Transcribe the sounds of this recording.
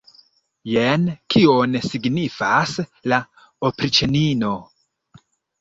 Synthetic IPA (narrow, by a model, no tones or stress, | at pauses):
jenkʰio̞nsiɡnifasla | opɾit͡ʃenino̞